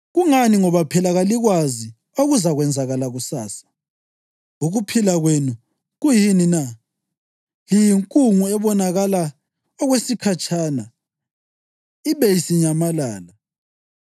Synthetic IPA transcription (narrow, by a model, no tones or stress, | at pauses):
ɣuŋaniŋɔβapʰɛlaɣaliɣwazi | oɣuzaɣwɛnd͡zʱaɣalaɣusaːsḁ | uɣupʰilaɣwenu | ɣujinina | jijiŋkʼuŋuɛβɔnaɣala | ɔɣwesikʰat͡ʃʼana | iβejisiɲamalaːla